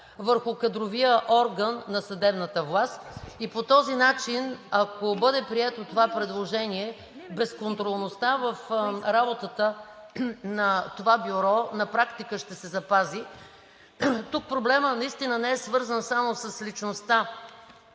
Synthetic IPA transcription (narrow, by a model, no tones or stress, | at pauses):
vəɾxʊkɐd̪ɾovijəʔɔɾɡənːɐsɐd̪ɛbnət̪əvlˠast̪ipot̪ɔzinat͡ʃinɐkobɤd̪ɛpɾiɛt̪ot̪ovapɾɛd̪lˠoʒɛniɛ | bɛskont̪ɾolˠnost̪avəfɾabot̪ət̪ə | nɐt̪ovabiɾɔnɐpɾakt̪ikəʃt̪ɛsɛzɐpazi | t̪uk̚pɾoblɛmənɐist̪inənɛɛsvɤɾzənsamosəslit͡ʃnost̪a